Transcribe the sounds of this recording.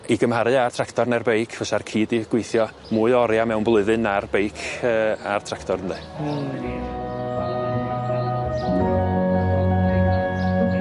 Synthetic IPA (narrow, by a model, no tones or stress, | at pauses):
iɡəmhaɾɨartʰraktʰɔrnɛrbejkʰv̥əsarkʰiːdiɡ̥wejθjɔ | muːɨɔɾjamɛwnblˠʊɨðɨnarbejkʰəːartʰraktʰɔɾəndɛ